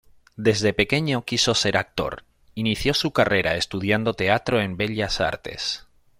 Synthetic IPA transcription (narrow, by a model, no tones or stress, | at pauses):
d̪e̞zðe̞pe̞ke̞ɲokisose̞ɾak̚t̪o̞̰ɾ | iniθjo̞sukare̞ɾae̞st̪uð̞jand̪ot̪e̞at̪ɾo̞e̞mbe̞ʎasa̰ɾt̪e̞̰s